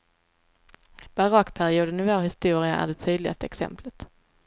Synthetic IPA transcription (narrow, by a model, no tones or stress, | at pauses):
b̥aɾɑkːpʰæɾɪuːd̪ənɪvoːɾhɪst̪uːɾɪa̰ʔæ̰ɖɛt̪ʰyːd̪lɪɡa̰st̪əɛksɛ̰mplət̪